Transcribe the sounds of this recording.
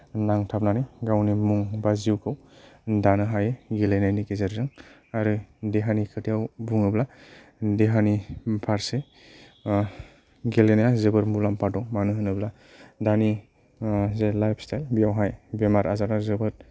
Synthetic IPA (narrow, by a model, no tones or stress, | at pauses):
naŋtʰap̚naniɡawnimuŋbaziwkʰɯw | danɯɦajeɡelenajnikezeɾzɯŋ | aɾɯdeɦanikʰɯtʰijawbuŋɯbla | deɦanipʰaɾse | ɡelenajazɯbɯɾmulampadɔmanɯɦɯnɯbla | dani | zelajpʰstʰajlbijawɦajbemaɾazaɾazɯbɯɾ